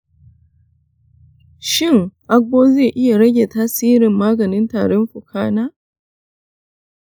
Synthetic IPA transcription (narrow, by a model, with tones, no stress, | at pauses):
ʃɪ˦˨ŋʔa˦k̚boː˦zeː˦˨ʔɪ˦ja˨ɽɐ˦ɡʲe˨taː˦siː˦ɾɪ˨mːaː˦ɡɐ˨nɪ˦ntaː˨ɽɔ˦mɸʊ˨kʰaː˦naː˦